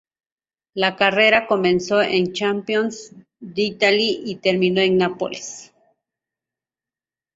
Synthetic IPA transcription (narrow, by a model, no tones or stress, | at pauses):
lakareɾakomensoʔent͡ʃampjons | d̪eit̪aliʔit̪eɾminoeŋnapo̰lis